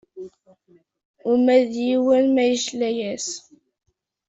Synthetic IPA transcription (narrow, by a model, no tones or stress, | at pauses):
ʊmæðjiwælmæjəʃlæjæs